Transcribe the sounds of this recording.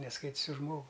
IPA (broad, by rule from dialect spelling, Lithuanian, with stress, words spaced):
nʲɛsˈkɐɪtʲs ʊʃ ˈʒmoːɡʊ